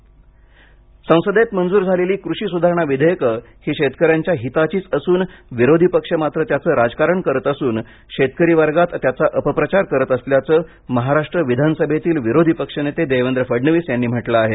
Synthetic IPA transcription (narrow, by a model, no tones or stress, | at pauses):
sə̃w̃səd̪et̪mənd͡zuːɾd͡zʱaleliːkɾuɕiːsud̪ʱaɾəɳ̃aʋid̪ʱəjəkə | hiːɕet̪kəɾjaɲt͡ɕjaɦit̪at͡ɕiːt͡səsuːnʋiɾod̪ʱipəkʂəmat̪ɾət̪jat͡səːɾad͡zkaɾəɳkəɾət̪əsuːn | ɕet̪kəɾiʋaɾɡat̪t̪jat͡saʔəpəpɾət͡ɕaɾkəɾət̪əsljat͡səː | məɦaɾaʂʈɾəʋid̪ʱanəsəbʱet̪iːlʋiɾod̪ʱipəkʂənet̪ed̪ejʋend̪ɾəfəɖɳəʋiːsjanːiːm̤əʈləaɦe